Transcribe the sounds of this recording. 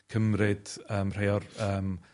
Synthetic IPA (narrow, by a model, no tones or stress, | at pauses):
kʰəmɾɪd̥əːmr̥ejɔrəːm